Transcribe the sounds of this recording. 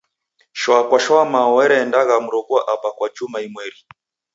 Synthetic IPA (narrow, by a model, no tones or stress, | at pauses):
ʃɔakwaʃɔamaɔwɛɾɛːndaɣamuɾɔɡuaʔapakwad͡ʒumaimwɛɾi